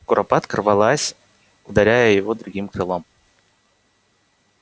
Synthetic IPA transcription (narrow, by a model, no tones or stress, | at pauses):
kʊɾʔɐpat̪krvɐlˠasʲ | ʊd̪ɐɾʲæjəjɪvod̪ɾʊɡʲimkɾɨlˠom